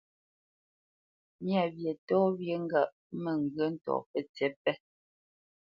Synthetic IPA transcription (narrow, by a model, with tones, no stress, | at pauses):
mja˨bje˨tɔː˦bje˨ŋ˦ɡa˦˨ʔ̚ | me˨ŋ˨ɡɰə˦n̩˦tɔ̰ː˨pɛ˦t͡sɛ˦pɛ˦